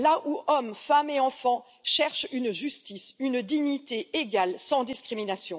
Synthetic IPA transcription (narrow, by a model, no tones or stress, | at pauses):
laʔuɔmfameɑ̃fɑ̃ | ʃɛʁʃynʒyst̪isynd̪iɲit̪eeɡalsɑ̃d̪iskχiminasjɔ̃